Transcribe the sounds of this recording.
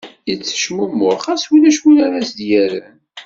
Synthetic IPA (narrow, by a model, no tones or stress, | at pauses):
jət͡sːə̥ʃmumːʊɾχæswilæʃwulaɾæsd̪jæɾən